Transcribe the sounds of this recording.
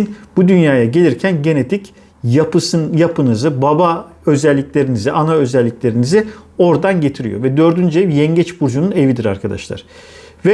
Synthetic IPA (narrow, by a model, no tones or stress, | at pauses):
nb̥ud̪ynjaːjaɟe̞lʲiɾcʰænɟe̞ne̞t̪ʰic | apɯsjapʰɯnɯzɯbaba | ø̞zɛlʲːicʲlʲe̞ɾiniziʔanaø̞zɛlʲːiclʲe̞ɾinizɪo̞ɾd̪anɟe̞t̪ʰiɾḭjo̞̰vɛd̪ø̞ɾd̪ynd͡ʒevjɛɲɟɛt͡ʃbuɾd͡ʒunune̞vid̪iɾa̰ɾkʰad̪a̰ʃlˠa̰ɾ̥ | vɛ